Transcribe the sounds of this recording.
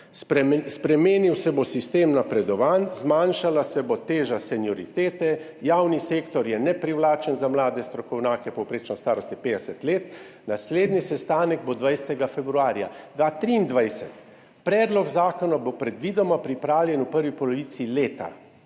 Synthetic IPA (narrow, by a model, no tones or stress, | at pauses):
sɛspɾɛmeːniwsɛbosist̪eːmnapɾɛd̪ɔʋanzmaːnʃalasɛbot̪eːʒasɛnjɔɾit̪eːt̪ɛ | jawniseːkt̪ɔɾjɛnɛpɾiwlaːt͡ʃɛnzamlaːd̪ɛst̪ɾɔkɔwnjaːkɛpɔwpɾeːt͡ʃnast̪aːɾɔst̪jɛpeːd̪ɛsɛt̪leːt̪ | nasleːd̪nisɛst̪aːnɛɡ̚bod̪ʋajsɛt̪ɛɡafɛbɾuaːɾja̰d̪ʋaːt̪ɾiːnd̪ʋajsɛt̪ | pɾɛːd̪lɔɡzaːkɔnabopɾɛd̪ʋiːd̪ɔmapɾipɾaːwljɛnupəɾʋipɔlɔʋiːsileːt̪a̰